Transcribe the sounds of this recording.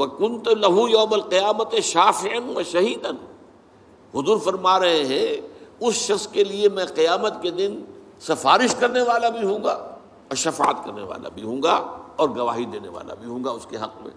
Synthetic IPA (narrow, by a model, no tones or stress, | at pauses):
wɐkʊnt̪lɐɦujaːmɐlqɪjaːmɐt̪ʃaːfɪʕɐnʋɐʃɐɦiːd̪ɐn | ɦʊzuːɾfɐɾmaːɾɐɦẽɦɛ̃ʊsʃɐxskeliemɛ̃qɪjaːmət̪ked̪ɪn | sɐfaːɾɪʃkɐɾneʋaːlabʱiɦõːɡaː | ɔːɾʃɐfa̰ːə̰t̪kɐɾnḛʋa̰ːla̰bʱiɦõːɡaɔːɾɡɐʋaːɦid̪eːneʋa̰ːla̰bʱiɦõːŋɡaʊskeɦɐqmḛ̃ː